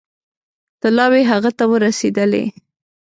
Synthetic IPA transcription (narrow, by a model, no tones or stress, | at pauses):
t̪alɑweɦaɣat̪awəɾased̪əlḛ